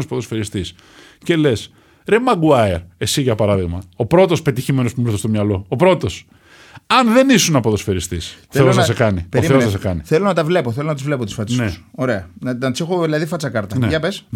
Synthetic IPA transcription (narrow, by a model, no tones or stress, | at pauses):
ospoðo̞sfeɾist̪is | ce̞le̞s | ɾemɐɡuɐeɾe̞siʝɐpɐɾɐðiɣmɐo̞pɾo̞t̪o̞spe̞t̪içime̞no̞spumɾiθest̪omɲɐlo̞ːpɾo̞t̪o̞s | ɐnðe̞nisunɐpo̞ðo̞sfeɾist̪iseoznɐsekɐnipezɐs̬ekɐniθelo̞nɐt̪ɐvle̞poθelonɐt̪izvle̞pot̪i̥sfɐt͡ssneuso̞ɾe̞ɐnɐnɐt̪i̥sexo̞ðilɐðifɐt͡sɐkɐɾt̪ɐneʝɐpes